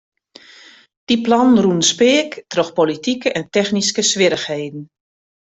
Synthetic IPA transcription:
d̥iplɔnnrunspɪːəktroxpolitikəʔɛntɛxniskəsʋɪɾəxheːdn̩

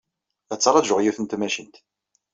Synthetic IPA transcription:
æt͡sːɾˤɑʒʊʁjuθənt̪mæʃənt̪

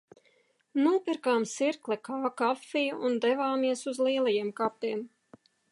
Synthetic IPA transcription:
nuɔpiɾkaːmsiɾklˠɛkaːkafːijuund̪ɛvaːmiɛsuzlˠiɛlˠajiɛmkapiːm

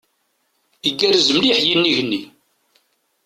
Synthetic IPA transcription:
iɡːæɾzəmliħjinːiʝnːi

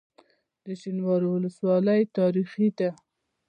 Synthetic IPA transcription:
d̪əʃinwɑɾiwʊləswɑləjt̪ɑɾixid̪a

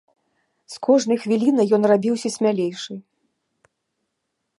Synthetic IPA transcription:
skʰɔʐnɐjxvʲilʲinɐjɔnrabʲiwsʲɐsʲmʲalʲejʂɨ

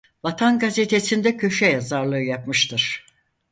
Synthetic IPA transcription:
vat̪ʰanɡazet̪ʰesind̪ɛcʰø̞ʃɛjazaɾlˠɯɯjapmɯʃt̪ʰɯɾ̥

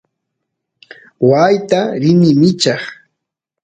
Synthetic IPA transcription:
wajt̪aɾɪnɪmɪt͡ʃɑχ

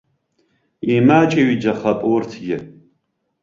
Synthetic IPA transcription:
imat͡ʃʼeɥid͡ʒɐχɐpʼwʊrtʰɡʲɪ

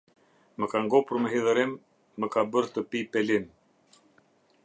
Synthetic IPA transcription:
məkaŋɡɔpuɾməɦiðəɾimː | əkabəɾt̪əpipɛlin

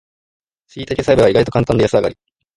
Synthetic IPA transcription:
sɨiːt̪akʲesaibɯɡaiɡait̪o̞kãnt̪ãnd̪ajasɨaɡa̰ɾʲi

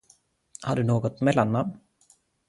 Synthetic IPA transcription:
haɖɵnoːɡɔt̪mɛlːanːam

